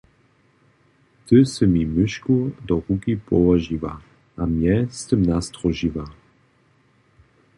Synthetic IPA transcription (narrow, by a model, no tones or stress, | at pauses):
t̪əsəmimɪʃkud̪ɔʁukipɔvaʒiva | ʔamjɛst̪əmnast̪ʁɔʒiva